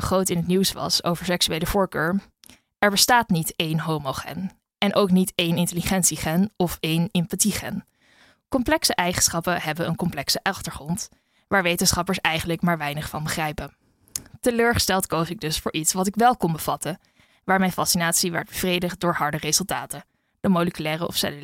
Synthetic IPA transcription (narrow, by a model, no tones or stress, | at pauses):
χrowtɪnɦətniwsʋɑ̰so̰wvəɹsɛksyejləvʊːɹkøːɹ | ɛɹbəstaːtnitejnɦowmoχɛ̰n | ɛnʔowknitejnɪntəliχɛntsiχɛnɔfejnɪmpatiχɛ̰n | kɔmplɛksəʔɛjχənsχɑpəɦɛbəənkɔmplɛksəʔɑχtəɹχrɔnt | ʋaːɹʋejtənsχɑpəɹsɛjχənləkmaːɹʋɛjnəχfɑnbəχrɛjpə | təløːɹχə̥stɛlˠtkowsɪɡ̚dɵsfʊːɹʔitsʋɑtɪkʋɛlˠkɔnbəv̥ɑtə | ʋaːɹmɛjnfɑsinaːtsiʋɛ̰ɹd̚bəv̥rejdəχt̚dʊːɹɦɑɹdərezɵlˠtaːtə | d̥əmowləkylɛːrəʔɔ̰fsɛ̰l